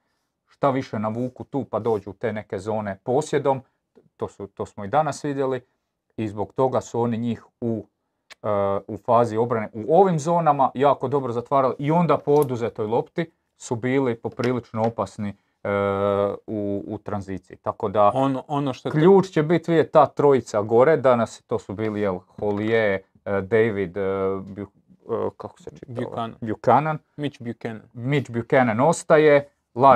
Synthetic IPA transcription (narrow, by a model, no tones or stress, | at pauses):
ʃt̪aʋiʃe̞naʋuːkut̪uːpad̪o̞ːd͡ʑut̪e̞ːne̞ke̞zo̞ːne̞po̞ːsje̞d̪o̞m | t̪oːsut̪oːsmoid̪anasʋid̪je̞li | izbo̞ɡt̪o̞ɡasuo̞niɲiːx | u | ufaːzio̞bɾane̞ʔuo̞ʋimzo̞ːnamajaːko̞d̪o̞bɾozat̪ʋaːɾaliʔio̞nd̪apood̪uze̞t̪o̞jlˠo̞pt̪i | subiːlipo̞pɾiːlit͡ʃnoo̞pasni | uːt̪ɾanziːt̪siit̪ako̞d̪aononoʃt̪okʎuːt͡ʃt͡ɕebit̪ʋiet̪aːt̪ɾo̞it̪saɡo̞ɾed̪anast̪o̞ːsubiːlijelxolije | d̪ejʋid̪bu | kako̥set͡ʃi̥tnbjukanan | mit͡ʃbukennmit͡ʃbjukenano̞st̪aje̞ | la